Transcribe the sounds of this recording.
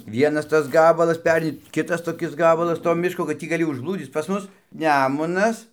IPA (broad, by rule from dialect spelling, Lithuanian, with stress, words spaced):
ˈʋʲiɛnɐs ˈtɐs ˈɡɑːbɐlˠɐs ˈpʲæːrʲɛɪnʲɪ ˈkʲɪtɐs toːˈkʲɪs ˈɡɑːbɐlˠɐs toː ˈmʲɪʃkoː kɐt ˈtʲiː ɡɐˈlʲɪ ʊʒblˠuːˈd͡zʲiːt͡s pɐs ˈmʊs ˈnʲæːmʊnɐs